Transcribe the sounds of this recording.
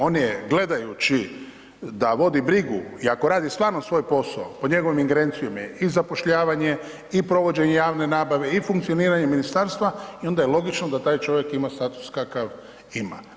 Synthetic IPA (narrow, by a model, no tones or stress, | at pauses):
o̞ːnjeɡle̞d̪ajut͡ʃi | d̪aʋo̞d̪ibɾiɡuiako̞ɾaːd̪ist̪ʋaːɾnosʋo̞ːjpo̞saopo̞ɲe̞ɡo̞ʋimiŋɡeɾe̞nt̪sijo̞mjeizapo̞ʃʎaːʋaɲe̞ | ipɾo̞ʋo̞d͡ʑe̞ɲejaːʋne̞naːbaʋe̞ifuŋkt̪ijo̞niːɾaɲe̞minist̪aːɾst̪ʋaio̞nd̪ajelo̞ɡit͡ʃnod̪at̪aːjt͡ʃo̞ʋje̞kimast̪at̪u̥skakaʋ | ima̰